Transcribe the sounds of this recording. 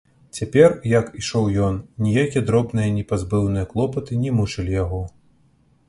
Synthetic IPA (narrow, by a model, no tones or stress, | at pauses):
t͡sʲapʲɛrjɐkiʂɔwjɔnnʲijakʲijɛd̪ɾɔbnɨjɐnʲɛpazbɨwnɨjɐklˠɔpɐt̪ɨnʲɛmut͡ʂɨlʲijaɣɔ